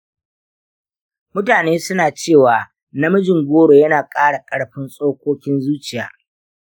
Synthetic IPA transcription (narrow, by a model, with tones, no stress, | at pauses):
mʊ˦taː˨neː˦sʊ˦naː˨t͡ʃeː˦˨waː˨ | nɐ˦mɐ˦d͡ʒɪ˨ŋɡʷoː˦ɽoː˨jɐ˦naː˨kʼaː˦ɽa˨kʼɐ˦ɽɸɪ˦nsʼoː˦kʷoː˦kʲɪ˦nzuː˦t͡ʃɪ˨ja̰ː˨